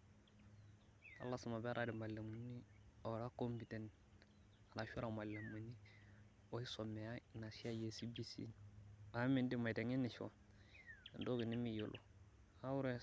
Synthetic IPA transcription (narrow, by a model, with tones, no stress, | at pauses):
a̰˨lːa˦sa˨ma˨be˦ɾʔa˦di˨ma˨lːa˨mu˨˦ni˦o˨ɾa˦ko˦mbi˨te˦n | a˨ɾa˨ʃu˦ɾa˨ma˨la˨mu˨ni˦ | o˦i˦so˨me˨ja˦˨na˨si˦a˦je˨si˦bi˦sḭ˦a˨˦mi˨ndi˦ma˨de˨ŋi˦nːi˨ʃo̰˨ | do˦ɡi˨ni˦mi˦˨jo˨lʔo̰˨ | a˦wu˦ɾe˦˨